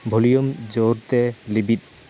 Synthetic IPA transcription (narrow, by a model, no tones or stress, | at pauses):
bʱolijomd͡ʑoɾt̪elibit̪̚